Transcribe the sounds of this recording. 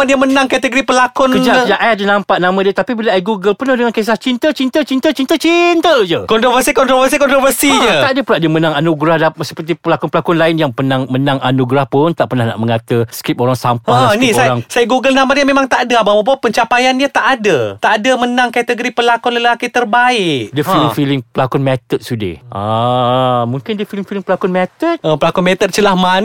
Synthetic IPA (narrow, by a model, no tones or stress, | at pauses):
adiəmənaŋkat̪əɡəɾipəlakɔnkəd͡ʒad͡ʒaʔajadənampaʔnamãdiət̪apibilaaiɡuɡəlpənʊhdəŋankes̬aht͡ʃint̪ət͡ʃint̪ət͡ʃint̪ət͡ʃit̪ət͡ʃint̪əd͡ʒəkɔnt̪ɾofəsikɔnt̪ɾovəsikɔnt̪ɾɔfərsiɲəaʔdəpuɾaʔdiəmənaŋanuɡɾahdasə̥pərt̪ipəlakɔnpəlakʊnlaɪnjaŋpənaŋmənaŋa̰nuɡɾahpʊnt̪aʔpərnahna̰ʔməŋat̪əskɾip̚oɾaŋsampanisaɾaŋsajaɡuɡəlnamaɲamemaŋt̪aʔdəabamap̬uapəɲt͡ʃapajanɲət̪aʔadət̪aʔadəmənaŋkat̪əɡəɾipəlakɔnləlakit̪ərbaɪʔdiəfilɪŋfilɪŋpəlakɔnmɛt̪ət̪̚sudḛʔa | mũŋkɪndiəfilɪŋfilɪŋpəlakɔnmɛt̪ət̪̚ʔəpəlakɔnmɛt̪ət̪̚t͡ʃəlahman